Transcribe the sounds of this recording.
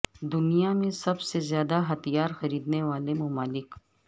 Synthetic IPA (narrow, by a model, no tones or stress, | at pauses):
d̪ʊnijamẽsɐbsezjaːd̪aɦɐt̪ijaːɾxɐɾiːd̪neʋaːlemɐmaːlɪk